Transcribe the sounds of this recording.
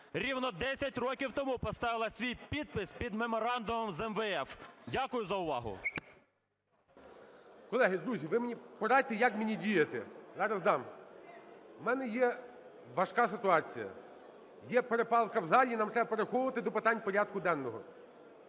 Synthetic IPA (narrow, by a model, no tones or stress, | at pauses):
ɾʲiwnɔd̪ɛsʲɐtʲrɔkʲiwt̪ɔmupɔst̪ɑʋɪlˠɐsʲʋʲijpʲid̪̚pɪsʲpʲid̪memɔɾɑnd̪ʊmɔmzɛmʋɛɛfdʲakʊjʊzɐʊʋɑ̰ɦʊ̰ | kɔlˠɛɦʲid̪ɾuzʲiʋɪmenʲipɔɾɑjʲt̪ejakmenʲidʲijet̪ɛ̰zɑɾɐzd̪ɑm | mɛnɛjɛ | ʋɐʃkɑsɪt̪ʊɑt͡sʲijɐ̰ | jɛpeɾepɑlˠkɐwzɑlʲinɑmt̪ɾɛbɐpeɾexɔʋɐt̪ɪd̪ɔpɪt̪ɑnʲpɔɾʲad̪̚kʊd̪ɛnːɔɦɔ